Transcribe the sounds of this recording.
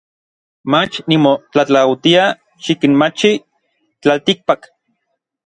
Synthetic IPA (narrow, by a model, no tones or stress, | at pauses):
mat͡ʃnimot͡ɬat͡ɬawt̪ia | ʃikinmat͡ʃi | t͡ɬalt̪ik̚pak